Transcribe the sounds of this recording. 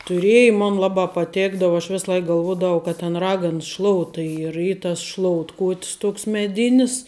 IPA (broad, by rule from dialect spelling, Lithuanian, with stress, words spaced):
tʊˈrʲeːjɪ ˈmoːn ˈlˠɑːbɑː pɐˈtʲeːɡdɐw ɐʃ ˈʋʲɪs ˈlˠɐɪk ɡɐlˠˈʋuɔdɐʋɐʊ kɐt tʲɪn ˈrɑːɡɐns ˈʃlˠoːʊtɐ ˈiː ɪr ˈiː tɐs ˈʃlˠoːʊtkoːʊtʲs ˈtoːks mʲɛˈdʲɪnʲɪs